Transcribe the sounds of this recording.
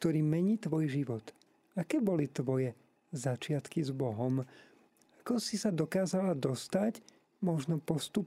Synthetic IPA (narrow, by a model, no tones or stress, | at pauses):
k̚t̪ɔɾiːmɛɲiːt̪ʋɔjʒiʋɔt̪ | akɛːbɔlit̪ʋɔjɛ | zat͡ʃɪat̪kizbɔɦɔm | akɔsisad̪ɔkaːzalad̪ɔst̪ac | mɔʒnɔpɔst̪up